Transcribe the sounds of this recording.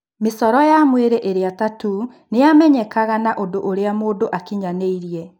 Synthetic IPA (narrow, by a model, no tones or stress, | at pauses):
mesɔɾɔjamweɾeʔeɾeatatu | nejamɛɲɛkaɣanaʔodoʔoɾeamoːdoʔakiɲaneiɾiɛ